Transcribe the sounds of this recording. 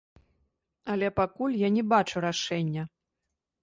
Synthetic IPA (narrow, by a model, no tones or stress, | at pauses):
ɐlʲɛpakulʲjanʲɛbat͡ʂuɾaʂɛnʲːɐ